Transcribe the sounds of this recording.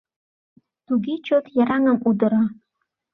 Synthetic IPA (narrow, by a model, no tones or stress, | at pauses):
t̪uɡit͡ɕot̪jaɾɑŋɤmud̪ɤ̆ɾa